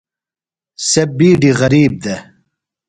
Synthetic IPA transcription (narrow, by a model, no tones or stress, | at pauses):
sebiːɖiʁɐɾiːb̚d̪e